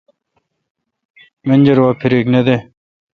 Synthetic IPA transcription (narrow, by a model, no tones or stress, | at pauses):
menʲd͡ʑɐɾwaːpʰiɾekned̪e